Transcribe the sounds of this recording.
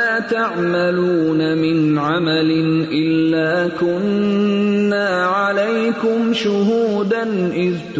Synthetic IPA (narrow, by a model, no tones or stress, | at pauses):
aːt̪aʕmaluːnamɪnʕamalɪnʔɪlːaːkʊnː | aːʕalajkʊmʃʊɦuːd̪anʔɪðt̪